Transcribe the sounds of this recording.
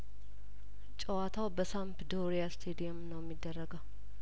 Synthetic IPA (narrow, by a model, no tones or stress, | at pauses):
t͡ʃʼəwat̪ʰawbəsampd̪oɾijast̪ʰed̪ijomnəwjɛmːid̪ːərːəɡəw